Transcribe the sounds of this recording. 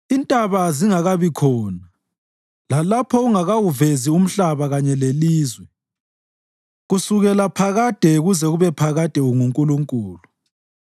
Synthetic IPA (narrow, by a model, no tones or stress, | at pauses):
intʼaβaziŋaɣaβikʰɔːna | lalapʰɔuŋaɣawuvezium̩ɬaβaɣaɲɛleliːzwɛ | ɣusuɣɛlapʰaɣad̥ʱɛɣuzɛɣuβɛpʰaɣad̥ʱɛuŋuŋkʼuluŋkʼuːlu